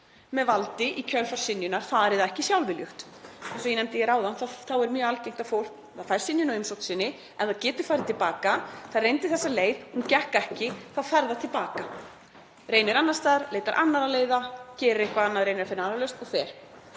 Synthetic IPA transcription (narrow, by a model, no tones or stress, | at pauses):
mɛðvalt̪ɪʔicʰœlfḁsɪnjʏnaɾ̥θaːðɛɾɪðaðɛhcɪsjawlvɪljʏxt̪ | sɔjɛnɛmt̪ɪjɛɾaːwðanθaθawɛɾmjœːɣalcejŋ̥m̥t̪afowl̥kafajɾ̥sɪnjʏnaɪmsowt̪sɪnːɪ | ɛnθaðcɛːt̪ʏ̥fajɾɪt̪ʰɪlpaːkaθaðrejnt̪ɪ̥θɛsːaleːjðhuncɛhkɛhcɪθaðfɛɾðat̪ʰɪlpaːka | ɾeːjnɪɾanːast̪aːðɾleːjt̪aɾʔa̰nːaɾaleːjðacɛːɾɪɾehkvaanːaðɾejnɾafɪɾnɪanɾalœst̪ɔɣθɛɾ̥